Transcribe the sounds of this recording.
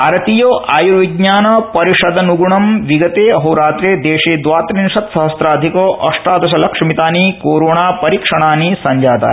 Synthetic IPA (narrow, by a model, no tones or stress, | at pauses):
ɐɾɐt̪ijoːʔaːjuɾʋiɡɲaːnɐpɐɾiʂɐd̪ɐnuɡuɳɐmʋiɡɐt̪eːɐɦɐwɾaːt̪ɾeːd̪eːʃeːd̪ʋaːt̪ɾinʃɐt̪sɐɦɐsɾaːd̪ʱikoʔɐ̰ʂʈaːd̪ɐʃɐlɐkʂɐmit̪aːnikoːɾoːɳaːpɐɾikʂɐɳ̃aːnisɐɲd͡ʒaːt̪a̰ː